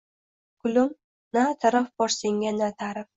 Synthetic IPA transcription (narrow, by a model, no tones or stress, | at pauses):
kʊlʊm | nat̪ʰaɾafbɒɾsɪŋʲanat̪ʰaɾɪ